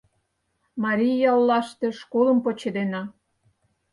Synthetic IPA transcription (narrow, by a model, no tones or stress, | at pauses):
mɑɾʲijɑlːɑʃt̪eʃkoləmpot͡ɕed̪enɑ